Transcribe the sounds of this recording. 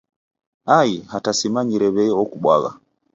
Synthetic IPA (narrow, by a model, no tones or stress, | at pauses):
aihatasimaɲiɾɛβɛjɔɔkuɓwa̰ɣa̰